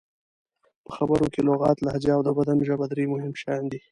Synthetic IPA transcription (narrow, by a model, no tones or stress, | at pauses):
pəxabəɾokeloɣɑt̪lahad͡ʒaːwd̪əbad̪amʒabad̪ɾemʊhɪmʃɑjnd̪i